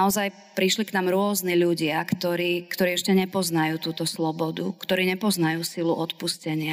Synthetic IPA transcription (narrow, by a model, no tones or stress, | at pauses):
aɔzaj | pɾiʃliknaːmɾʊɔzniʎuɟɪakt̪ɔɾiːkt̪ɔɾiːɛʃcɛɲɛpɔznajuːt̪uːt̪ɔslɔbɔd̪ṵkt̪ɔɾiːɲɛpɔznajuːsiluʔɔt̪puscɛɲɪa